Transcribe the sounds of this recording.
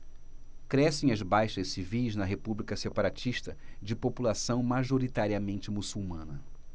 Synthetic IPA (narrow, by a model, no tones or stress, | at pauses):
kɾɛsẽj̃ɐzbajʃɐʃsivijznɐɦepublikɐsepaɾat͡ʃiʃt̪ɐd͡ʒɪpopulasɐ̃w̃maʒoɾit̪aɾiɐmẽnt͡ʃɪmusuwmɐ̃nɐ